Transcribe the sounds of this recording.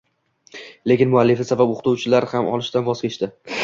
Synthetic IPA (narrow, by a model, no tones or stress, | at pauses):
le̞kʲɪnmʊalːɪfɪsabapoqʰt̪ʰuwt͡ʃʰɪlaɾhamʔɒ̰lˠɪʃt̪anbɒzkʲeʃt̪ɪ